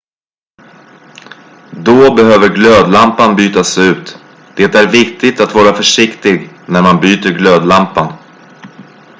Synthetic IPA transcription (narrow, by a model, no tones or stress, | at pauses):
d̪ɔbɛɦøːvəɾɡløːd̪lampanbyːt̪asʉ̟ːt̪ | d̪̥ɛt̪æɾvɪkt̪ɪɡt̪at̪vɑːɾafœʂɪkt̪ɪɡ | næɾmanbyːt̪əɾɡløːd̪lampan